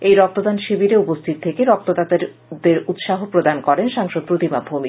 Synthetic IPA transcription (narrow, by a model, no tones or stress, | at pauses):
ejɾɔk̚t̪od̪anʃibiɾeupost̪ʰit̪̚t̪ʰekeɾɔk̚t̪od̪at̪eɾ | d̪eɾut̪ʃaɦopɾod̪ankɔɾenʃaŋʃod̪̚pɾot̪imabʱumi